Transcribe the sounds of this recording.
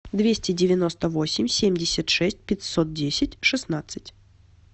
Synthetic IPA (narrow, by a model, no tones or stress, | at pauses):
d̪vʲesʲtʲɪdʲɪvʲɪno̞st̪əvo̞sʲɪmʲsʲemʲdʲɪsʲət̪ʂɛsʲt̚ʲpʲɪtʲsot̪̚dʲesʲɪtʲʂɨsnat̪sɨtʲ